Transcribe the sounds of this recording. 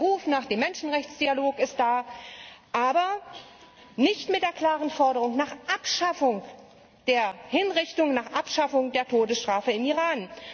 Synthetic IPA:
ʁuːfnaːχd̥eːmːɛnʃn̩ʁɛçt͡sd̥ialoːkɪst̚d̥aː | ʔaːbɐ | nɪçtmɪt̚d̥eːɐkl̥aːʁənfɔɐɾəʁʊŋnaːχʔapʃafʊŋ | d̥eːɐhɪnʁɪçtʊŋnaːχʔapʃafʊŋdeːɐtʰoːdəsʃtʁ̥aːfəɪmiːʁaːn

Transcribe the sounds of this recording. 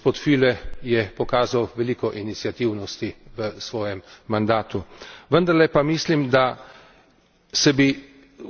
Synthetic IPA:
spoːt̪filɛjɛpɔkaːzawʋɛliːkɔʔinit̪sjat̪iwnɔst̪iʋəsʋɔːjɛmːand̪aːt̪uʋənd̪ɐɾlɛpamiːslimd̪a | sɛbi

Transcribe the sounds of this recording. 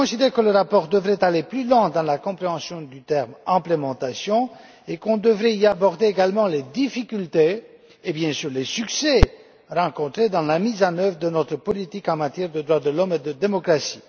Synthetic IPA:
ɔ̃sid̪ɛʁkələʁapɔʁd̪əvʁɛt̪aleplylwɑ̃d̪ɑ̃lakɔ̃pχeɑ̃sjɔ̃d̪yt̪ɛʁmɛ̃plemɑ̃t̪asjɔ̃ | ekɔ̃d̪əvʁɛiabɔʁd̪eeɡalmɑ̃led̪ifikʲylt̪eː | bjɛ̃syʁlesyksɛ | ʁɑ̃kɔ̃t̪χed̪ɑ̃lamizɑ̃nœvʁəd̪ənɔt̪χəpɔlit̪ikɑ̃mat̪jɛʁd̪əd̪ʁwad̪əlɔmed̪əd̪emɔkχasi̥

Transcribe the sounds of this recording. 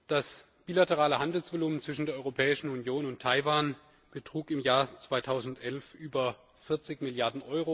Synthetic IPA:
d̥as | b̥iːlatəʁaːləhandl̩sv̥oluːmnt͡sv̥ɪʃn̩deːɐʔɔʏʁopʰɛːɪʃn̩unjoːnʊntʰːaɪvaːn | b̥ətʁ̥uːkɪmjaːɐt͡sv̥aɪtʰaʊzn̩tʔɛlfʔyːbɐ | fɪɐt͡sɪçmɪljaɐdn̩ʔɔʏʁo

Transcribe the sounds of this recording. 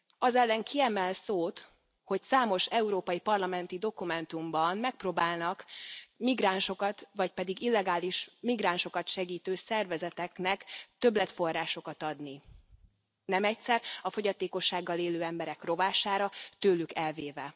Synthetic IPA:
ɒzɛlːɛŋkiɛmɛlsoːt̪ | ho̞csaːmo̞ʃɛuɾoːpɒjipɒrlɒmɛnt̪id̪o̞kumɛnt̪umbɒnmɛk̚proːbaːlnɒkmiɡraːnʃo̞kɒt̪ʋɒc̚pɛd̪iɡilːɛɡaːliʃmiɡɾaːnʃo̞kɒt̪ʃɛɡiːt̪øːsɛrvɛzɛt̪ɛknɛkt̪ø̞blɛt̪fo̞rːaːʃo̞kɒt̪ɒd̪ni | nɛmɛcsɛrɒfo̞ɟɒt̪eːko̞ʃːaːɡːɒleːløːɛmbɛɾɛkro̞vaːʃaːɾɒt̪øːlykɛlveːvɛ

